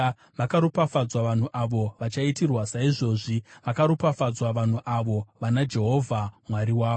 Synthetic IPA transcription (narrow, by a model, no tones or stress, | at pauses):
ʋakaɾopafad͡zwaʋan̤uʔaʋo̞ʋat͡ʃaitirwasaiʐo̞ːʐiʋakaɾopafad͡zwaʋan̤uʔaʋo̞ʋanad͡ʒe̞ɦo̞vʱamwaɾiwaːo